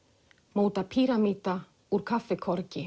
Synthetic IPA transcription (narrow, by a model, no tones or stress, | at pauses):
moːwt̪apʰiːɾamiːt̪a | uɾ̥kʰafːɛkʰɔɾcɪ